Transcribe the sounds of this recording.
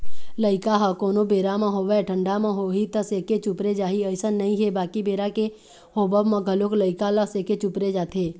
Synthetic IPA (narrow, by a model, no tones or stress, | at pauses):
ləɪkaɦəkoːnobeːɾamãɦoːʋɛʈʰə̃ɳɖamãɦoːɦit̪əseːket͡ʃʊpɾed͡ʒaːɦiəɪsənːɐɦĩɦebaːkibeːɾake | ɦoːbəbmɐ̃ɡʱəloːkləɪkaləseːket͡ʃʊpɾed͡ʒaːt̪ʰeː